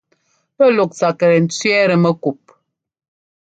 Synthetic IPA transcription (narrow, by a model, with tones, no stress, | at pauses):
pə˦lo˨k̚t͡sa˨kə˨ɾɛ˨n̩˨t͡sɥɛ˦ɾə˨mə˦ku˨p̚